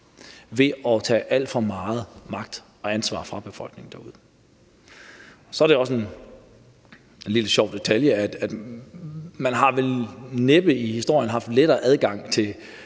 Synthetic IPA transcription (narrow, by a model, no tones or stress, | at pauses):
ʋe̝ʔɒ̽t͡sʰɛ̰ːʔæl̰d̥fɒ̽mɑ̈ːð̞̩ˠmɑ̈ɡ̥̚d̥ | ɒ̽ænsʋɑ̰̈ːfʁɑ̈b̥e̝fɒ̽l̰ɡ̥ne̝ŋn̩d̥æuð̞ˠə | sɒæɐɾeɒ̽sen | e̝nliləɕɒʊ̰d̥e̝t͡sʰæljəæd̥æd̥ | mænɦɑ̈ʋelneb̥əihisd̥o̝ɐ̰jənɦɑ̈fd̥leɾ̥ɐːʔæð̞ˠɡ̥ɑ̈ŋ̰t͡sʰe̝